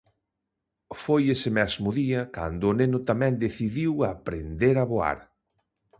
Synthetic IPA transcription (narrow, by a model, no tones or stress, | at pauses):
fojesɪmɛzmʊðiɐka̰nd̪ʊːnenʊt̪amɛ̃nd̪eθiðiwapɾend̪eɾaβoa̰ɾ